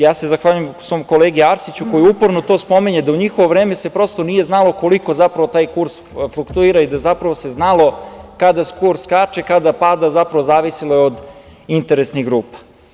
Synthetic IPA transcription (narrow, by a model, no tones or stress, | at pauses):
jaːse̞zaxʋaːʎujemusʋo̞ːmko̞leːɡiaɾsit͡ɕuko̞jiupoɾnot̪o̞spo̞miɲed̪auɲixoʋoʋɾeːmesepɾo̞st̪o̞nijeznalˠo̞koliko̞zapɾaʋo̞t̪aːjkuɾsflukt̪uiːɾaid̪azapɾaʋo̞se̞znalo̞kad̪askuɾskat͡ʃekad̪apaːd̪azapɾaʋo̞zaːʋisilojeod̪ | int̪eɾesniɣɡɾuːpḁ